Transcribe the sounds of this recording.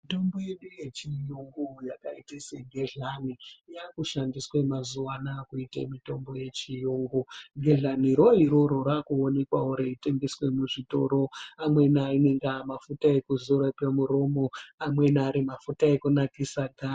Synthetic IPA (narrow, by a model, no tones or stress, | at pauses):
mito̞mboje̞ɗuje̞t͡ʃijuŋɡujakaitiseɡʱeɮanijakuʃandiswe̞mazuʋanaːkuita̰mito̞mbo̞je̞t͡ʃijuŋɡuɡʱe̞ɮaniɾo̞ɦiɾoɾoɾakuone̞kwauɾeite̞ŋɡeswe̞muʐito̞̰ɾo̞amwe̞naineŋɡamafutae̞kuzuɾapemuɾo̞mo̞amwe̞naːɾimafutaekunakisaɡʱaː